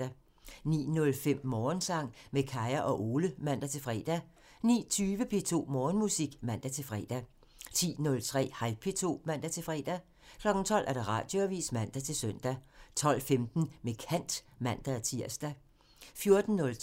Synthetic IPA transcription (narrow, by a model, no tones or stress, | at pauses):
æ | nḭːnɔ̽lfem̰mɒːnsɑ̈ŋ̰mekʰɑ̈ɪɐʔɒ̽ʔo̝ːləmæn̰d̥æt͡sʰe̝lfʁɛ̰ːd̥æ | nḭːt͡sʰyːʋəpʰe̝ːt͡sʰo̝̰ːmɒːnmusiɡ̥mæn̰d̥æt͡sʰe̝lfʁɛ̰ːd̥æ | t͡sʰḭːnɔ̽lt͡sʰʁɛ̰ːhɑlpʰe̝t͡sʰo̝̰ːmæn̰d̥æt͡sʰe̝lfʁɛ̰ːd̥æ | kʰlɒ̽ɡ̥n̩t͡sʰɒ̽l̰ʔæɐd̥ɑ̈ʁɑ̰̈ːd̥joæʋḭːsmæn̰d̥æt͡sʰe̝lsœn̰d̥æt͡sʰɒ̽l̰femd̥n̩mekʰæn̰d̥mæn̰d̥æt͡sʰiɐ̰sd̥æ | fjo̝ɐd̥n̩ːɔ̽l